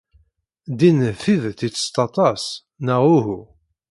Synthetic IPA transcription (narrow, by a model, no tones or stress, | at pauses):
d̪inθiðθit͡sːə̥st̪ɑt̪ˤɑs | nəʁuɦu